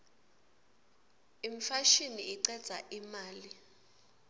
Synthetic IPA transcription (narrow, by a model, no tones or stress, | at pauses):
iɱfaʃiniːǀɛd̥z̥ʱa̰ʔimaːli